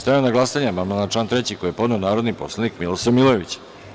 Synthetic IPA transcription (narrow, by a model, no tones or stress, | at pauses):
st̪ajanaɡlˠasaɲemanmanat͡ʃlˠaːnt̪ɾet͡ɕikojepo̞d̪ne̞onaːɾod̪nipo̞̰slˠenikmilosemilˠoʋit͡ɕ